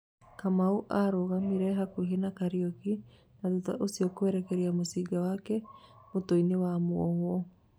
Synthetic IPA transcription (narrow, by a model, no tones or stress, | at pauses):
kamauʔaɾoɣamiɾɛɦakuɦenakaɾiɔki | nadutaʔosiɔkoɛɾɛkɛɾiamosiɡawakɛmotoinewamwɔhwɔ